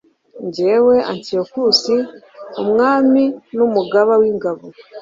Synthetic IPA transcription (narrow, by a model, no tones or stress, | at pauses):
ɲɟewe̞ʔantijokusi | umŋaːminumuɡaβawiːŋɡaβo